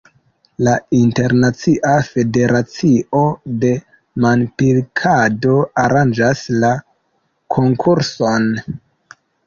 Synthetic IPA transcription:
lainte̞ɾnat͡siʔafe̞de̞ɾat͡siʔo̞de̞ | manpilkʰado̞aɾand͡ʒasla | kʰo̞ŋkʰuɾso̞n

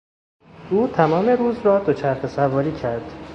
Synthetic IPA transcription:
uːt̪ʰæmɒːme̞ɾuːzrɒːd̪ot͡ʃʰæɾxesævɒːɾiːcʰæɾd̪̥

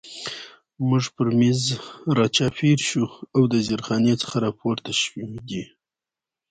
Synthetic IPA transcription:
muʐpəɾmizɾɑt͡ʃɑfiɾʃuawd̪əzɪɾxɑnet͡sə̥xaɾɑpʰoɾt̪aʃwiɡ̪i

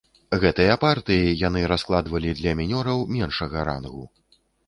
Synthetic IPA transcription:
ɣɛt̪ɨjɐpart̪ɨjijan̪ɨɾasklˠad̪vɐlʲid̪lʲɐmʲinʲɔɾɐwmʲɛnʂɐɣɐɾa̰nɣu

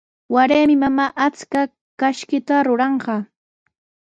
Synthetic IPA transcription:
waɾeːmɪmamaːʔat͡ska | kaʃkɪt̪aɾʊɾɑɴɢɑː

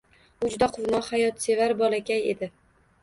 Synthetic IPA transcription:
ʊd͡ʒʊd̪aqʰʊvnɒhajɒt̪se̞vaɾbɒlakʲane̞̰d̪ɪ

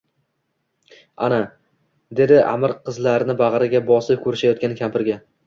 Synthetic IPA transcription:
a̰na | d̪e̞d̪ɪʔa̰mɪɾqʰɨzlaɾnɪbaʁɾɪɡʲabɒsɪp̚kʰʲɵɾɪʃajɒt̪kʲankʲʰampɪɾɡʲa

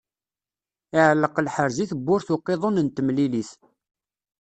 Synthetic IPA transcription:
ɪʕəlːəqlħəɾziθəbːʊɾθʊqːeðˤonənt̪əmliliθ

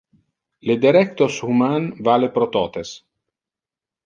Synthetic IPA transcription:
led̪eɾɛk̚t̪oshumanvalepɾot̪ɔːt̪es

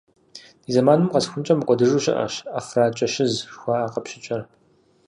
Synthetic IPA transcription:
diːzɐmaːnɨmqɐsxʷʊnt͡ʃʼɐmɨqʷʼɔdɨʒuːɕɪ̰ʔɐ̰ɕaːfraːt͡ʃʼɐɕɪzxʷaːʔːqɐpɕɪt͡ʃʷʼɐr

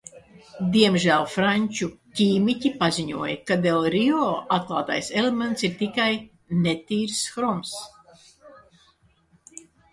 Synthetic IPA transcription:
d̪iɛmʒæːlˠfɾaɲʲt͡ʃukʲiːmicʲipazʲiɲuɔjɐkad̪elˠɾiɔat̪̚klˠaːt̪a̰jselement̪siɾt̪ikaj | net̪iːɾsxɾɔms

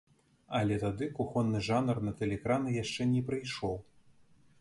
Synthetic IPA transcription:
ɐlʲɛt̪ad̪ɨkuxɔnːɨʐanɐrnɐt̪ɛlʲɛkɾanɨjaʂt͡ʂɛnʲɛpɾɨjʂɔw

